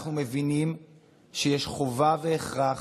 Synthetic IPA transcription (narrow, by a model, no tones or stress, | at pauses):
χnume̞vinim | ʃejeʃχo̞vaveːχʁaχ